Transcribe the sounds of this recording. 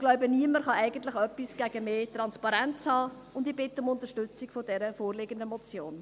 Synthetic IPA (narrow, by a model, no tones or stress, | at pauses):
laʊbəniəməɾχɑɛɪɡ̥ən̩tlɪχœpːisɡ̥æɡ̥əmeːt̪rɑnspɑɾɛnt͡shɑː | ʊndɪb̥ɪt̪ːəʊmʊnt̪əʃtʏt͡sɪkfodɛɾəfoːrlɪɡəndəmɔt͡sjoːn